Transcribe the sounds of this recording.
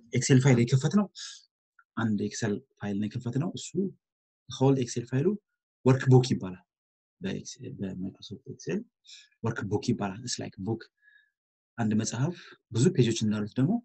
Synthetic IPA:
ekselfajljɛkʰːəfət̪nəw | ʔand̪ɛkselfajlnəjɛkʰːəfət̪nəwʔɨsːu | kowld̪ekse̞lfajlu | wɔɾkbokjɪbːalal | bə̰kbəmət̪ʼasot̪eksel | wɔɾkbokjɪbːalalɨsla̰jkbokʰ | ʔand̪məsʼahəfbɨzupʰe̞d͡ʒo̞t͡ʃːɨnd̪alut̪d̪əɡmo̞

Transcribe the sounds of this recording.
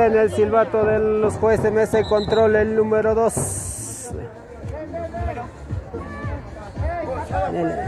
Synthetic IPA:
enelsilβat̪oðeosxwesemesekont̪ɾolelnũmeɾoðos | ḛ | nel

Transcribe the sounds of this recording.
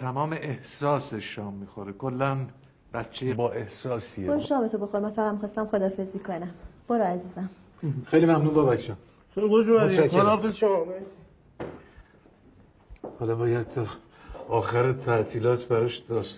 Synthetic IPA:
t̪ʰæmɒːmeʔehsɒːseʃɒːmːiːxoɾekʰolːæn | b̥æt̪t͡ʃʰːejebɒːʔehsɒːsioɾoʃɒːbet̪oboxoɾmænfæɣæd̪mixɒːst̪æmχod̪ɒːfe̞ziːkʰonæmb̥oɾoæziːzæm | xejlimæmnuːnbɒːbækʃɒn | xejliɡod͡ʒɾubæʃæod̪ɒfezʃomɒme | hɒːlɒbɒːjæd̪̚t̪ʰɒ | ɒːxæɾet̪ʰæʔt̪ʰiːlɒːt̪ʰbæɾɒʃd̪̥ɒːʃ

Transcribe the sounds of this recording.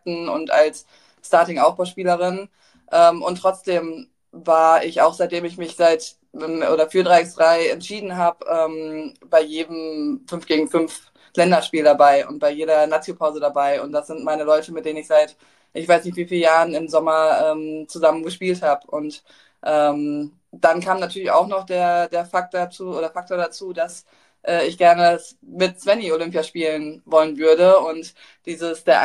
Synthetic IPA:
tn̩ʊ̰ntʔalsː | taːɐtɪŋʔaʊfb̥aʊʃpiːləʁ̞ɪn | ʔɛːmʔʊntːʁ̥ɔt͡sd̥eːm | vaːɐɪçaʊxz̥aɪt̚d̥eːmɪçmɪçz̥aɪtː | mʔo̰ːɾɐfyːɐdʁaɪɪçsd̥ʁaɪɛ̰ntʃiːdn̩ɦaːbəʔɛːm | b̥aɪjeːdəm̩fʏnfɡ̥eːɡŋ̩fʏnf | lɛndɐʃpiːldabaɪʔʊ̰nt̚b̥aɪjeːɾɐnaːt͡sjopʰaʊzədabaɪʊ̰ntd̥asz̥ɪntmaɪnəlɔʏtəmɪt̚d̥eːnənɪçz̥aɪt | ʔɪçv̥aɪsnɪçtv̥iːfiːljaːʁənɪmzɔmɐʔɛːmt͡suzamənɡəʃpiːlthaːbʊnt | ʔɛːm | d̥ankʰaːmnatʰyɐlɪça̰ʊxnɔχd̥eːɐdeːɐfak̚t̚d̥at͡suːʔoːɾɐfak̚tʰoːɐdat͡suːdas | ʔɛːɪçɡ̥ɛɐnəs | mɪtt͡sv̥ɛniolʏmpjaʃpiːlənvɔlənvʏɐdəʊnt | d̥iːzəsd̥eːɐʔ

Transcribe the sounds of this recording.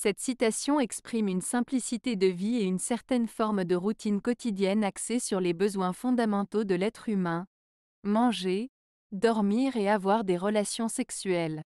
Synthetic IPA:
sɛt̪sit̪asjɔ̃ɛkspχimynsɛ̃plisit̪ed̪əvieynsɛʁt̪ɛnfɔʁmd̪əʁut̪inkɔt̪id̪jɛnaksesyʁlebəzwɛ̃fɔ̃d̪amɑ̃t̪od̪əlɛt̪χymɛ̃ | mɑ̃ʒe | d̪ɔʁmiʁeavwaʁd̪eʁəlasjɔ̃sɛksyɛl

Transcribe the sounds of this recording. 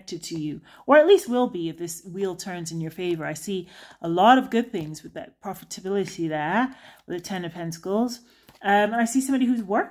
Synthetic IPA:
k̚tɨd̚tʰɨjʉ | ə˞ɨtˡlist̚wɪlˠbiʌvðɪswilˠd̚tʰɜ̃˞nzɨ̃njə˞feɪvə˞aɪsiəlɔɾʌvɡʊd̪̚θɪ̃ŋzwɨðɨ̰t̚pʰɹ̥ɑfɨɾəbɪlˠɨɾiðə˞wɨðɨtʰɛ̃nɨ̥ɛ̃nskolˠz̥ | ʌ̃mə̃naɪsisʌ̃mbɑɾihʉzwɜ˞

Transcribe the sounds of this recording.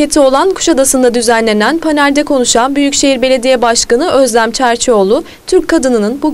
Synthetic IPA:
e̞t̪ʰio̞lˠankʰu̥ʃad̪asɯnd̪ad̪yzænlʲe̞nænpʰanæɾd̪ɛkʰo̞nuʃanbyjycʃe̞ɦiɾbe̞lʲe̞d̪ijɛbaʃkanɯʔøzlʲæmt͡ʃʰæɾt͡ʃʰio̞lˠʊ | t̪ʰyɾckʰːad̪ɯnɯnɯnbu

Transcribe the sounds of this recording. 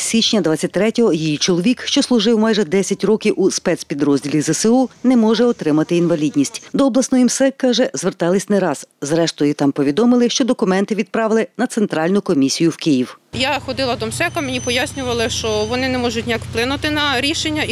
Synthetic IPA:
sʲit͡ʃnʲɐd̪ʋɑt͡sʲːɐt̚ʲt̪ɾɛtʲɔɦɔjijit͡ʃɔlˠɔʋʲikʃt͡ʃɔslˠʊʒɪwmɑjʒɛd̪ɛsʲɐtʲɾɔkʲiwʔuspɛt̪spʲid̪ɾɔzʲdʲilʲizɐsɪunɛmɔʒɛɔt̪ɾɪmɐt̪ɪinʋɐlʲidʲnʲisʲtʲd̪ɔɔblˠɐsnɔjimsɛkːɑʒɛzʋert̪ɑlˠɪsʲnɛɾɑz̥zɾɛʃt̪ɔjit̪ɑmpɔʋʲid̪ɔmɪlˠɪʃt͡ʃɔd̪ɔkʊmɛnt̪ɪʋʲid̪̚pɾɑʋɪlˠɪnɐt̪sent̪ɾɑlʲnʊkɔmʲisʲijʊwkɪjiwjaxɔd̪ɪlˠɐd̪ɔmsɛkɐmenʲipɔjasʲnʲʊʋɐlˠɪʃt͡ʃɔʋɔnɪnɛmɔʒʊtʲnʲijakplˠɪnʊt̪ɪnɐɾʲiʃenʲːɐ

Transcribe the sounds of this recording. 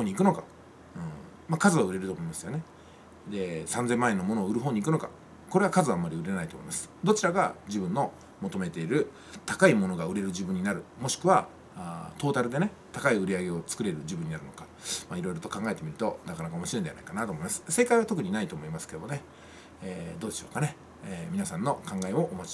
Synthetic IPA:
hoːɲ̟iːkɯ̟no̞ka | ɯ̟̃ | makazɨβaɯ̟ɾe̞ɾɯ̟t̪o̞ːmo̞imasɨjo̞ne̞ | d̪e̞sãnzẽ̞mːaenːomo̞noːɯɾɯ̟ɦoːɲ̟iːkɯno̞ka̰ | ko̞ɾe̞β̞akazɨaːmːaɾʲiɯ̟ɾe̞nait̪oːmo̞imasɨ̥d̪o̞t͡ɕiɾaɡa̰ʑibɯ̟̃nːo̞ | mo̞t̪o̞me̞t̪e̞iɾɯ̟ | t̪ḁkaimo̞no̞ɡaɯ̟ɾe̞ɾɯ̟ʑibɯ̟̃ɲ̟inaɾɯ̟mo̞ɕi̥kɯ̟βa | t̪o̞ːt̪aɾɯ̟d̪e̞ne̞ | t̪akaiɯ̟ɾʲiaɡe̞o̞t͡sɨ̥kɯ̟ɾe̞ɾɯ̟ʑibɯ̟̃ɲ̟inaɾɯ̟no̞kḁ | maiɾo̞iɾo̞t̪okãŋɡaet̪e̞mʲiɾɯ̟t̪o̞nakanakao̞moɕiɾendeanaikanat̪o̞ːmo̞imasɨ̥se̞kaiβat̪o̞kɯ̟ɲ̟inait̪o̞ːmo̞imasɨ̥ke̞d̪omone | eːd̪o̞ːd̪e̞ɕoːkane̞ | mʲinasãnːo̞kãŋɡaeo̞ʔːmot͡ɕi̥

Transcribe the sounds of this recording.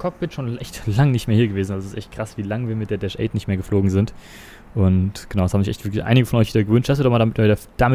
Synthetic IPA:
kʰɔk̚b̥ɪtʃoːnʔɛçtlaŋnɪçtmeːɐiːɐɡəveːzn̩ʔalzoɪstʔɛçt̚kʁ̥asv̥iːlaŋviːɐmɪt̚d̥eːɐdɛʃʔɛ̰ɪtnɪçtmeːɐɡəfloːɡŋ̩zɪnt | ʔʊntɡ̥ənaʊdashaːm̩zɪçʔɛ̰çtv̥ɪɐklçʔa̰ɪnɪɡəfɔnʔɔʏçviːdɐɡəvʏnthasd̥uːdɔʁχmaldamɪtːiːdɐd̥amɪ

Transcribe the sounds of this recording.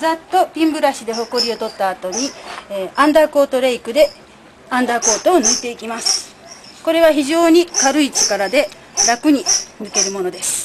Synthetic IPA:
zat̪ːo̞pʲĩmbɯ̟ɾaɕid̪e̞ɦo̞ko̞ɾʲio̞t̪o̞t̪ːaːt̪o̞ɲ̟i | ãnd̪ako̞ːt̪o̞ɾe̞ikɯ̟d̪e̞ | ãnd̪ako̞ːt̪o̞ːnɯit̪e̞ikʲimasɨ̥ | ko̞ɾe̞βaçiʑo̞ːɲ̟ikaɾɯ̟it͡sɨ̥kaɾad̪e̞ | ɾakɯ̟ɲ̟inɯke̞ɾɯ̟mo̞no̞d̪e̞sɨ̥

